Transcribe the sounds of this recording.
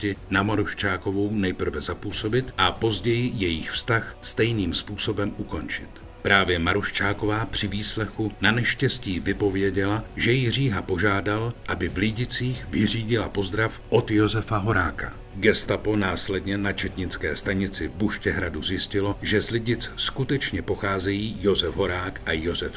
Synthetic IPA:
cɪnamaɾuʃt͡ʃaːko̞vo̞wnɛjpr̩vɛzapuːso̞bɪt̪ʔapo̞zɟɛjɪjɛjɪxfst̪axst̪ɛjniːmspuːso̞bɛmuko̞nt͡ʃɪ̰t̪ | pɾaːvjɛmaɾuʃt͡ʃaːko̞vaːpr̝̥ɪviːslɛxunanɛʃcɛsciːvɪpo̞vjɛɟɛlaʒɛjɪr̝iːɦapo̞ʒaːdalʔabɪvlɪɟɪt͡siːxvɪriːɟɪlapo̞zd̪ɾafʔo̞t̪jo̞zɛfaɦo̞ɾaːka̰ | ɡɛst̪apo̞naːslɛdɲɛnat͡ʃɛt̪ɲɪt͡skɛ̰ːst̪aɲɪt͡sɪvbuʃcɛɦɾaduzjɪscɪlo̞ʒɛzlɪɟɪt͡sskut̪ɛt͡ʃɲɛpo̞xaːzɛjiːjo̞zɛvɦo̞ɾaːkʔajo̞zɛf

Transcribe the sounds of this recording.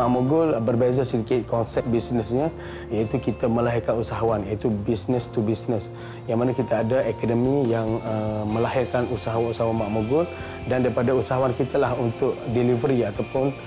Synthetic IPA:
aʔmoɡʊlbərbezasidikɪt̪̚kɔnsɛp̚bisnəsɲə | jait̪ukit̪amə̃laɦɪrkanusaɦawanjait̪ubisnəst̪ubisnəs | jaŋmanakit̪aːdaekodəmijaŋəmə̃laɦɪrkanusaɦawanusaɦwanmaʔmoɡʊl | dandaɾipadausaɦawankit̪alahunt̪ʊʔdɛlivəɾiat̪awpʊn

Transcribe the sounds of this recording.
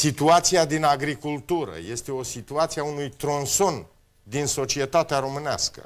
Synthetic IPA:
sit̪uat̪siad̪inaɡɾikult̪uɾə̰je̞st̪e̞o̞sit̪uat̪siaunujt̪ɾo̞nso̞n | d̪inso̞t͡ʃie̞t̪at̪eaɾo̞mɨna̰skə̰

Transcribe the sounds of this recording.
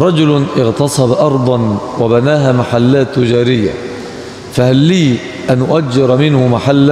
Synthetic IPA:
ɾˤɑd͡ʒʊlʔɪɣt̪ɑsˤɑbʔɑɾˤd̪ˤɑnwabanaːɦaːmaħalːaːt̪ːʊd͡ʒaːɾɪjːa̰ | fahalːiː | ʔanʔʊʔad͡ʒːɪɾmɪnhʊmaħalː

